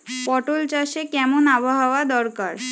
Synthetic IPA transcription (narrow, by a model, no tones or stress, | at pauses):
pɔʈolt͡ʃaʃekɛmunaʋɔɦaʋad̪ɔɾkaɾ